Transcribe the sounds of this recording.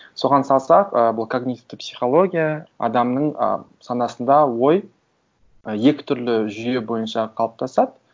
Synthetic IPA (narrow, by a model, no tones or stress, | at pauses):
so̞ʁɑnsɑlˠsɑqəbʊlˠkʰoɡnʲit̪t̪ɪpsʲiχo̞lˠo̞ɡʲijaɑ̰d̪ɑmnəɴə̰sɑnɑsənd̪ɑwo̞j | əje̞kʲɪ̥t̪ʰʏɾlɪʒʏje̞bo̞jənʃɑqʰɑlˠəp̚t̪ʰɑsɑd̪ə